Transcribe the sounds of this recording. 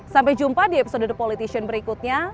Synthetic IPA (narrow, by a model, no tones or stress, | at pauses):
sampɛjd͡ʒumpadiepi̥sodədəpolit̪isiənbəɾikut̪̚ɲa